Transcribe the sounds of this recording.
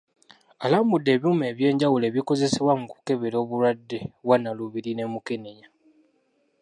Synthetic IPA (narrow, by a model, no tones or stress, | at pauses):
alambudːe̞ːβjume̞ːβje̞ːɲɟawule̞ːβiko̞ze̞seβwaŋku̥ke̞βeɾo̞ːβuɾwadːe̞βwanːaluβiɾine̞mukeneɲa